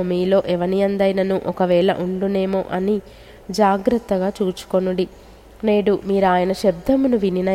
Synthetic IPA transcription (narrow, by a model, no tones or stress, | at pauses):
miːlo̞ːʔɛʋɐniɐnd̪ɐjnɐnuʔɔkɐʋɛːɭɐ̰ʔuɳɖuneːmo̰ːʔɐni | d͡ʒaːɡɾɐt̪ːɐɡaːt͡ʃuːt͡ʃu̥konuɳɽi | ne̞ːɽumiːɾuaːjɐnɐʃɐb̚d̪ʱɐmunuʋininɐ